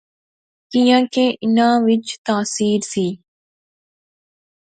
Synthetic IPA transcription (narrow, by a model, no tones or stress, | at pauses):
kijãːkeːʔɪnãːʋɪt͡ʃt̪aːsiːɾsiː